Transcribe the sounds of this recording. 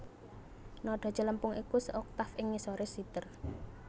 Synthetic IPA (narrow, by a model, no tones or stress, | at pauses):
nɔɖ̥a̤̥t͡ʃələmpʊŋʔikusəʔɔk̚t̪afɪŋːisoɾɪsit̪ər